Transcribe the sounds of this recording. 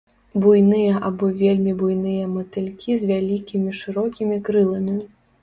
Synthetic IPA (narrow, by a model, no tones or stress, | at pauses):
bujnɨjɐʔabɔvʲelʲmʲibujnɨjɐmɐt̪ɨlʲkʲʰizʲvʲalʲikʲimʲiʂɨɾɔkʲimʲikɾɨlˠɐmʲi